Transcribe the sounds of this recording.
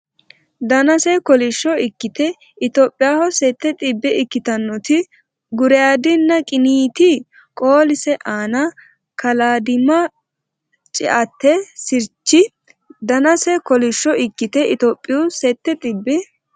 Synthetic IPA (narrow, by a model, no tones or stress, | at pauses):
d̪ɐnɐsɛkɔlɪʃːɔɪkːɪt̪ɛ | ɪt̪oːpʼːɪjaːhɔsɛt̪ːɛt̪ʼɪbːɛɪkːɪt̪ɐnːɔt̪ɪ | ɡʊɾɛjaːd̪ɪnːɐkʼɪniːt̪ɪ | kʼoːlɪsɛʔaːnɐ | kɐlaːd̪ɪmɐ | t͡ʃʼɪ̰ʔɐt̪ːɛsɪɾt͡ʃːɪ | d̪ɐnɐsɛkɔlɪʃːɔɪkːɪt̪ɛʔɪt̪oːpʼːɪjusɛt̪ːɛt̪ʼɪbːɛ